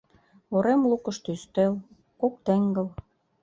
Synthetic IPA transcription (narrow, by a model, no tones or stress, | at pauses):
oɾemlukɤ̆ʃt̪yst̪el | kok̚t̪ĕŋɡə̆l